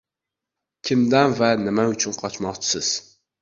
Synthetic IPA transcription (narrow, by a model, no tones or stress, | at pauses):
kʲʰimd̪ɛnvɛnɪmɛyt͡ʃʰynqʰɑt͡ʃmɑχt͡ʃʰi̥sɪz̥